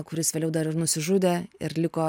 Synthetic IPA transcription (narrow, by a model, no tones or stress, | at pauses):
kʊɾʲɪsʋʲelʲɛʊd̪ɐɾɪrnʊsʲɪʒʊd̪ʲeːɪ̰ɾlʲɪkoː